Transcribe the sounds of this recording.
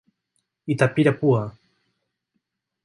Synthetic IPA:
it̪apiɾapua

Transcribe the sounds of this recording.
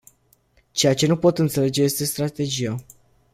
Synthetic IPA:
t͡ʃe̞jat͡ʃe̞nupo̞t̪ɨnt̪se̞le̞d͡ʒe̞jest̪e̞st̪ɾat̪e̞d͡ʒija

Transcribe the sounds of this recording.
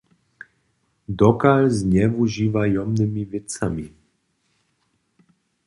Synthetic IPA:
d̪ɔkalzɲɛuʒiːvajɔmnɪmivɛt͡sa̰mi

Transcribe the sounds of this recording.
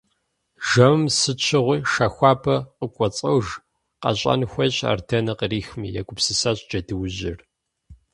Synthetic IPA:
ʒɐmmsɨt͡ʃʰɪʁʷiːʃaːxʷɑːpʰɐqəkʷʼɔt͡sʼɐwʒ | qɐ̰ɕʼɐ̰nxʷɐɕʼa̰ːrdʰɐnɐqəriːxmiːjakʷʼʊpsɨsaːɕʼd͡ʒɐdɨwʑɪ̰r

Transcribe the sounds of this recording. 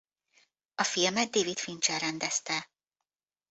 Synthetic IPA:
ɒfilmɛt̪̚d̪eːvit̪fint͡ʃɛlɾɛnd̪ɛst̪ɛ

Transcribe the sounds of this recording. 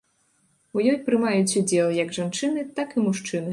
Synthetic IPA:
ujɔjpɾɨmajut͡sʲud͡zʲɛlˠjɐɡʐant͡ʂɨnɨt̪akɨmuʂt͡ʂɨnɨ

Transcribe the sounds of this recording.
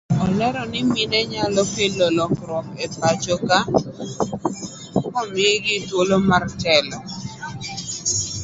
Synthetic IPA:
ɔlɛɾɔnɪmɪnɛɲalɔkelɔlɔkɾɔkepat͡ʃɔka | kɔmiɡɪtwolomartɛlɔ

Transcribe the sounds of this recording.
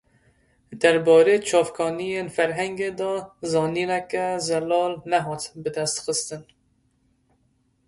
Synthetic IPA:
d̪̥æɾbɑːɾeːt͡ʃʰɑːfkʰɑːnijenfæɾɦɛŋɡed̪ɔːzɑːniːnɛkɛzɛlɑːlnɛɦɑːt̪bɨd̪æst̪xɨst̪ɨn

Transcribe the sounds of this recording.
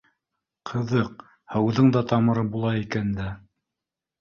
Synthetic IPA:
qʰɤ̆ðɤq̚ | hɤ̆wðɤɴd̪ɑt̪ɑmɤ̆ɾɤbulˠɑikænd̪æ

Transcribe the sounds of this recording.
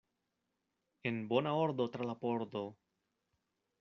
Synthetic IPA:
e̞nbo̞naoɾd̪o̞t̪ɾalapo̞ɾd̪o̞

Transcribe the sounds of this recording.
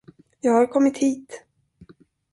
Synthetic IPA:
jɑːɡhaɾkʰɔmːɪt̪hiːt̪

